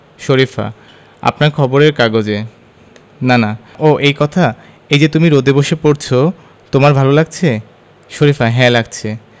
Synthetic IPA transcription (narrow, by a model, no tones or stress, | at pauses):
ʃoɾifa̰ | a̰pnaɾkʰɔboɾeɾkaɡod͡ʑe | nanaʔoʔejkɔt̪ʰa | ejd͡ʑet̪umiɾod̪eboʃepoɾt͡ɕʰo | t̪omaɾbʱalolaɡ̚t͡ɕʰe | ʃoɾifaɦɛ̃laɡ̚t͡ɕʰe